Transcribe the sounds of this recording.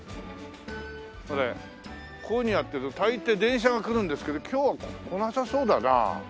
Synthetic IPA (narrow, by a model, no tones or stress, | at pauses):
oɾe | kʰoɲ̟ijat̪ːeɯt̪ot̪ait̪ːe̞d̪ẽ̞ɰ̃ɕ̬aɡakɯ̟ɾɯ̃nd̪e̞sɨ̥ke̞d̪o̞kʲʰo̞ːβakkʰonoasaso̞ːd̪ana̰